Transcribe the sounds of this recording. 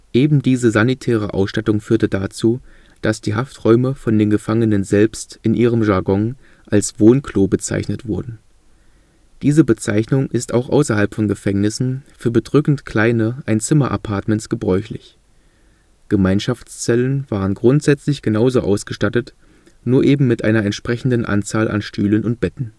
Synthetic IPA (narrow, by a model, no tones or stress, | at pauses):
ʔeːbm̩diːzəzanitʰɛːʁ̞əʔa̰ʊsʃtatʊŋfyːɐtədat͡suː | d̥asd̥iːɦaftʁ̥ɔʏməfɔndeːnɡəfaŋənənzɛlpstɪnʔiːʁəmʒaɐɡɔn | ʔalsv̥oːnkʰl̥oːbət͡sa̰ɪçnətv̥ʊɐdn̩ | d̥iːzəbət͡sa̰ɪçnʊŋʔɪstaʊxʔa̰ʊsɐɦalpfɔnɡəfɛŋnɪsn̩fyːɐbədʁʏkn̩tkʰl̥aɪnəʔaɪnt͡sɪmɐʔa̰pʰaɐtmɛntsɡ̥əbʁɔʏçlɪ̰ç | ɡ̥əmaɪnʃaft͡st͡sɛlənv̥aːʁ̞ənɡʁʊntz̥ɛt͡slɪçɡ̥ənaʊzoʔa̰ʊsɡ̥əʃtatət | nuːɐʔeːbm̩mɪtʔaɪnɐɛntʃpʁ̥ɛçn̩dənʔa̰nt͡saːlʔa̰nʃtʰyːlənʊnt̚b̥ɛtn̩